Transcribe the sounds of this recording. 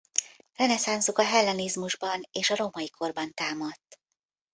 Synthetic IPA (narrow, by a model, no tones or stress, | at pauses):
rɛnɛsaːnzukɒɦɛlːɛnizmuʒbɒneːʃɒɾo̞mɒjikʰo̞rbɒnt̪aːmɒt̪ː